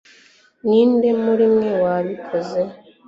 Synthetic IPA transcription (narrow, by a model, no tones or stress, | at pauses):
niːndemuɾimŋe̞waːβikʰoze